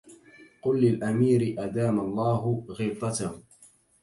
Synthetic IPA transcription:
qʊlːɪlʔamiːɾɪʔad̪aːmalˤːɑːɦʊɣiːt̪ˤɑt̪a

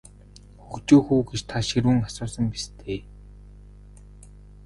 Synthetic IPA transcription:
xukt͡ɕoːxuːɡet͡ɕt̪ʰaʃiɾwuːŋasʊːsə̆mpist̪ʰeː

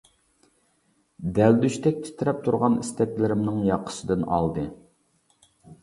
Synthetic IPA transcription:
d̪æld̪yʃt̪ʰɛk̚ʲt̪ʰi̥t̪ʰɪɾɛp̚t̪ʰuɾʁɑnist̪ʰɛkʲlɪɾɪmnɪŋjɑqʰːə̥sɨd̪ɨnɑ̰lˠd̪ɨ

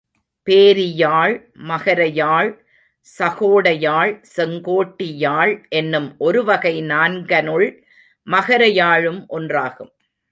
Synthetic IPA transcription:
peːɾɪjaːɭ | mɐɣɐɾɐjaːɭ | sɐɣoːɽɐjaːɭsɛŋɡoːʈːɪjaːɭʔɛnːɯmʔɔɾɯʋɐɣɐɪnaːnɡɐnɯɭ | mɐɣɐɾɐjaːɻɯmʔɔndraːɣɯm

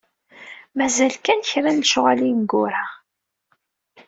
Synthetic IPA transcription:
mæzælkænçɾænʃʊʁalinɡʊɾa

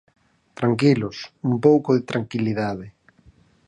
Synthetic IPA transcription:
t̪ɾaŋkilʊsumpowkʊðɪt̪ɾaŋkiliðað̞ɪ

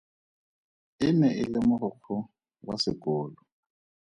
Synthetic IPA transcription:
ɪmɛɪlɪmʊhʊq͡χʰʊ | wasɪkʼoːlɔ

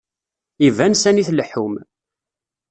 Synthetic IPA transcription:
ivænsæniθləħum

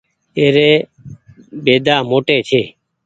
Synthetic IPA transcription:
eːɾeː | beːd̪aːmoːʈeːt͡ʃʰeː

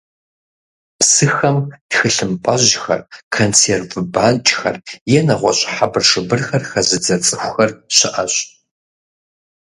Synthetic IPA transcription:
psɨxɐmd̥xɨɬɨmpʼɐʑxɐ̰rkʰont͡sʰervbaːnt͡ʃʼxɐ̰rjɛnɐʁʷɔɕʼħabɨrʂɨbɨrxɐrxɐzɨd͡zɐt͡sʼɨxʷʊxɐrɕɪʔɐɕ

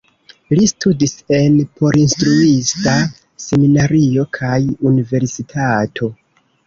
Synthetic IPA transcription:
listʰudise̞npo̞ɾinstɾuista | se̞minaɾio̞kʰajunive̞ɾsitʰatʰo̞

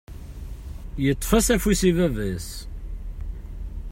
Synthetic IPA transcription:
jət̪ˤːfæsæfwisivævəs

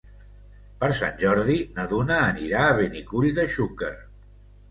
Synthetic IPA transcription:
pəɾsa̰nʲʒɔɾð̞inəðunəːniɾaːβenikuʎðəʃukə

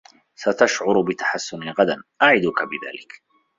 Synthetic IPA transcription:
sat̪aʃʕʊɾʊbɪt̪ḁħasːʊniɣad̪anʔaʕɪd̪ʊkabɪða̰ːlɪk

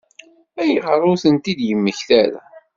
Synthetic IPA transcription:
æjəʁərˤːʊθənt̪id̪jəmːəçθæɾa̰

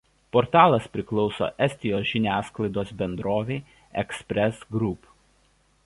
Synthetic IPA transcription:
pɔɾt̪ɑːlˠɐspʲɾʲɪklˠɒʊso̰ːʔɛsʲt̪ʲɪjoːsʒʲɪnʲæːsklˠɐɪd̪oːsbʲɛnd̪ɾoːʋʲɛɪ | ɛ̰ksʲpʲɾʲɛsɡɾʊp

